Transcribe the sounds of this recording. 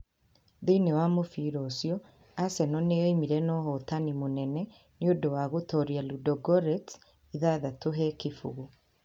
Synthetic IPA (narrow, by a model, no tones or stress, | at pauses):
ðinewamofiɾɔsjɔ | asɛnɔnejɔimiɾɛnɔhɔtanimonɛnɛ | niodowaɣotɔɾjaludɔɡɔɾɛt | iðaðatoɦɛkifṵɣu